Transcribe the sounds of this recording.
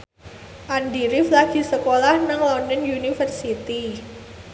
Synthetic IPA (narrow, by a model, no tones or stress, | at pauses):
ʔandiɾɪflaɡ̥i̤səkolahnaŋlɔndɔnjunifərsit̪i